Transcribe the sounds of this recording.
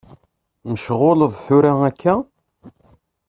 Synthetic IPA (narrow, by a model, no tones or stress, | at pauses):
məʃʁoləðˤθuɾaækʰːæ